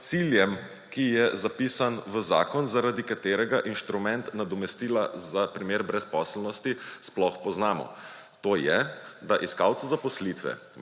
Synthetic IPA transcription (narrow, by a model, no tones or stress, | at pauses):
t̪siljɛm | kijɛzapiːsanʋəza̰ːkɔnzaɾad̪ikat̪eːɾɛɡaʔinʃt̪ɾumɛnt̪nad̪ɔmɛst̪iːlazapɾimeːɾbɾɛspɔslnɔst̪isplɔxpɔznaːmɔ̰ | t̪oːjɛd̪aʔiskawt̪suzapɔslit̪ʋɛ̰